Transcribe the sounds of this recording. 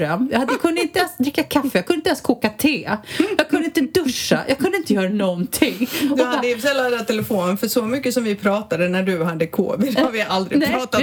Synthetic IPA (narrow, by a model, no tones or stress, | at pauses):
ɾœmjɑhad̪ːkʰɵnd̪əɪnt̪əɛnsd̪ɾɪkːakʰafːɛjɑɡkʰɵnɪnɛnskʰuːkat̪ʰeːjɑːɡ̚kʰɵnɪnt̪əd̪ɵʂːa̰jʔɑ̰ɡ̚kʰɵnɪnt̪əjœːɾanɔnt̪ʰɪŋd̪had̪əfsɛlːad̪ɛd̪æt̪ʰɛlɛfoːnənfœʂɔmʏkːəsɔmvɪpʰɾɑːt̪ad̪ənæɖɵɦad̪ːəkʰo̰ːvəɾhaɾvɪʔald̪ɾɪɛɾɑːt̪a